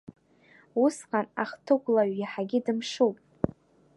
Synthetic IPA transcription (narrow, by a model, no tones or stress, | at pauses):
usqʼanaχtʰɨkʷʼlaɥjaħaɡʲɪdɨmʂowpʼ